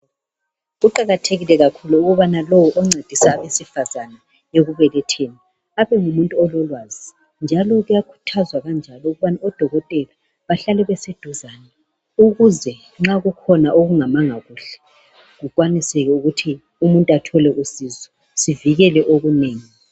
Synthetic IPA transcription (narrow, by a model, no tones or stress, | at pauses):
ɣuǃaɣatʰeɣilɛɣakʰuluuɣuβanalɔwɔʔɔŋ͡ǀʱed̥ʱisaβesifazana | eɣuβɛlɛtʰeni | aβɛŋumuntʼuɔlɔlwaːzi | nd͡ʒʱalɔɣujakʰu̥tʰazwaɣand͡ʒʱalɔuɣuβanaɔd̥ʱɔɣɔtʼɛla | βaɬalɛβɛsed̥ʱuzanɛ | uɣuzɛ | ŋ͡ǁaɣukʰɔnaʔoɣuŋamaŋaɣuːɬɛ̥ | ɣukʼwanisɛɣɛuɣutʰi | umuntʼatʰɔlɛʔusiːzɔ | siviɣɛlɛʔoɣuneːŋi